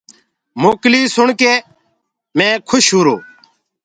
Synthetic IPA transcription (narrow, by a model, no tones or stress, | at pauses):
moːkliːsʊɳkeː | mẽːkʰʊʃɦuːɾoː